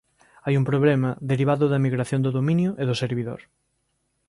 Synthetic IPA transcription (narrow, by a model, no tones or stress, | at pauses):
ajumpɾoβ̞lemɐðeɾiβ̞aðʊðɐmiɣɾaθjõnd̪oðomĩnjʊʔeðʊseɾβiðo̰ɾ